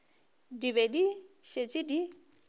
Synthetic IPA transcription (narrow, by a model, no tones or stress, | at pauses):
diβediʃet͡ʃʼidi